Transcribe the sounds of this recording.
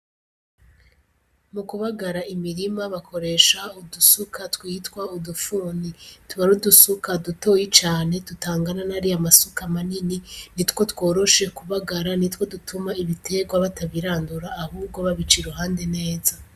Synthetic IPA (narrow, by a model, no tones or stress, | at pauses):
mukuβaɡaɾaimiɾimaβakʰo̞ɾe̞ʃaudusukʰatwiːtkwaudufuːnituβaɾudusukaduto̞ːjit͡ʃaːne̞tutaːŋɡananaɾijamasukamanininitko̞two̞ːɾo̞ʃe̞kuβaɡaɾanitwo̞dutʰumaiβitʰe̞ɡwaβataβiɾaːnduɾaːhuːbɡo̞βaβit͡ʃiɾuɦaːnde̞ne̞ːza